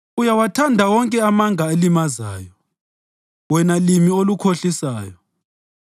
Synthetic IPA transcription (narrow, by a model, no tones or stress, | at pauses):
ujawatʰandʱawɔŋkʼɛamaŋʱaelimaza̰ːjɔ | wɛnalimiolukʰoɬisaːjɔ